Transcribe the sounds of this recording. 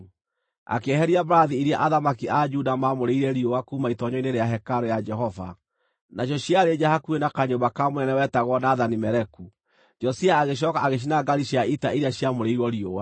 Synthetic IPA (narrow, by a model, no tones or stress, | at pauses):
a̰keɛɦɛɾiabɾaðiiɾiaʔaðamakiad͡ʒudamamoɾeiɾɛɾiowakuːmaitɔɲɔineɾeaɦɛkaɾojad͡ʒɛɦɔva̰ | naɕ̬jɔɕjaɾed͡ʒahakuenakaɲobakamonɛnɛwɛtaɣwɔnaðanimɛɾɛku | d͡ʒɔsiaːɣeɕ̬ɔkaaɣeʃ̬inaɡaɾiʃiaitaiɾiaɕiamoɾeiɾwɔɾiowa